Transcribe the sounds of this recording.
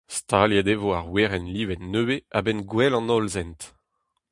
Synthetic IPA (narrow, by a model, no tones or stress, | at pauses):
st̪aljad̪evoaʁweʁɛnliːvɛtnøweabɛnɡwɛlɑ̃nɔlzɛnt̪